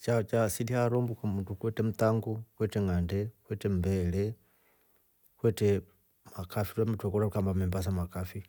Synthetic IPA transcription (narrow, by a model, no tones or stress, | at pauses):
t͡ʃat͡ʃasidihaɾɔmbukamutukwɛtɛm̩t̪aŋɡukwɛtɛŋandɛkwɛtɛmbɛlɛ | kwɛtɛ | makafitwamɛtwɛkɔɾaukambamɛmbas̬amakafi